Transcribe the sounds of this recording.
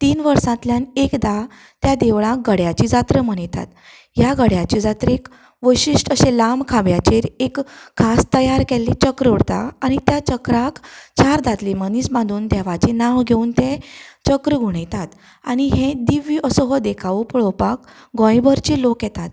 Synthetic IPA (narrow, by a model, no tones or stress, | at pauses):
t̪iːnʋəɾsãt̪ljanekd̪a | t̪jad̪eʋɭãɡəɽjat͡ɕid͡zat̪ɾəm̤əɽ̃it̪a̰t̪ | jaɡəɽjat͡ɕid͡zat̪ɾek | ʋəjɕiʂʈəɕelamkʰabjat͡ɕeɾekʰːast̪əjaɾkɛlːit͡ɕəkɾəuɽt̪a̰aɽ̃it̪jat͡ɕəkɾakt͡ɕaɾd̪at̪limənisbãnd̪uːnd̪ɛʋat͡ɕinãʋɡʱeuːnt̪ẽt͡ɕəkɾəɡʱuɽ̃ejt̪at̪ | aɽ̃iɦẽd̪iʋiːəsɔɦɔd̪ekʰaʋupəɭɔpak | ɡɔ̃jbəɾt͡ɕiːlokjɛt̪at̪